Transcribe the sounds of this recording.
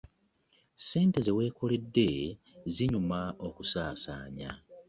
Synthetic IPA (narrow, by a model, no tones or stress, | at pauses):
se̞ːnte̞ze̞we̞ːkolidːe̞ | ziɲumao̞kusaːsa̰ːɲa̰